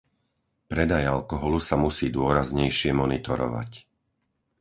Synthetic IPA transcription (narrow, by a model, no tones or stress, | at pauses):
pɾɛd̪ajalkɔɦɔlusamusiːd̪ʊɔɾazɲɛjʃɪɛmɔnit̪ɔɾɔ̰ʋa̰c